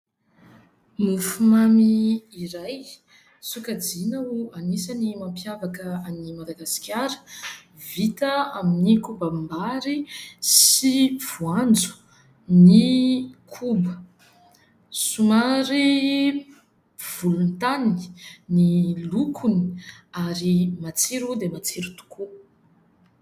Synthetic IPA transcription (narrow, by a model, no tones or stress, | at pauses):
mufumamiːɾaj | sukad͡zinauanisanimampjavakəanimad̪aɡasi̥kʲjaɾə̥vit̪əaminikubambaɾisiv̥uand͡zu̥ | nikʰubə | sumaɾi | v̥ulunt̪aninilukʰuni̥aɾimat͡siɾud̪emat͡siɾut̪u̥kʰu